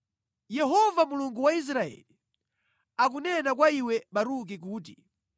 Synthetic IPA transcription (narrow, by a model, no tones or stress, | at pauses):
jɛɦɔvamuluŋɡuwais̬ɾaɛ̰li | akunɛnakwaiwɛɓaɾuk̬ik̬uːt̬ḭ